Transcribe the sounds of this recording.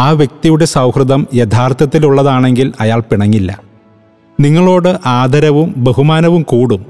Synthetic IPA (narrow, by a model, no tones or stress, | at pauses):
aːʋjek̚t̪ijuɽe̞sɐwhrɨd̪ɐmjet̪ʰaːrt̪ɐt̪ːiluɭːɐðaːɳe̞ŋɡilɐjaːɭpiɳɐŋːilːɐ̰ | niŋːɐɭo̞ːɽɨʔaːd̪ʱɐɾɐʋumbeɦumaːnɐʋumkuːɽum